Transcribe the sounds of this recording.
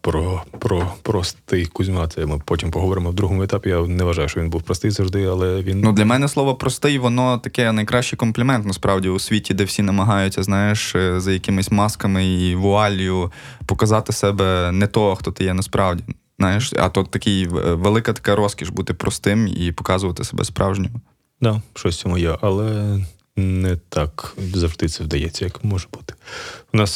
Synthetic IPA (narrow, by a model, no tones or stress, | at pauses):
pɾɔpɾɔpɾɔst̪ɪjkʊzʲmɑt̪ɛmɪpɔtʲimpɔɦɔʋɔɾɪmɔwd̪ɾuɦɔmʊɛt̪ɑpʲijanɛʋɐʒɑjʊʃt͡ʃɔʋʲinbuwpɾɔst̪ɪjzɐʒd̪ɪjɐlˠɛʋʲinnud̪lʲɐmɛnɛslˠɔʋɔpɾɔst̪ɪjʋɔnɔt̪ɐkɛnɐjkɾɑʃt͡ʃɪjkɔmplʲimɛnt̪nɐspɾɑwdʲiʊsʲʋʲitʲid̪ɛwsʲinɐmɐɦɑjʊtʲːɐznɑjeʃzɐjɐkɪmɪsʲmɑskɐmɪiʋʊɑlʲjʊ | pɔkɐzɑt̪ɪsɛbɛnɛt̪ɔɦɔxt̪ɔt̪ɪjɛnɐspɾʔɑʋdʲi | znɑjeʃɐ̰t̪ɔt̪ːɐkɪjʋelˠɪkɐt̪ɐ̥kɑɾɔskʲiʒbut̪ɪpɾɔst̪ɪmḭpɔ̥kɑzʊʋɐt̪ɪsɐbɛ̰spɾʔɑ̰wʒnʲɪmɐ | d̪ɑʃt͡ʃɔsʲt͡sʲɔmʊjɛʔɐlˠɛ | nɛt̪ɑkzɐʒd̪ɪsɛwd̪ɐjɛt͡sʲːɐjɐkmɔʒɛb̥u̥t̪ɪ̥ʊnɑs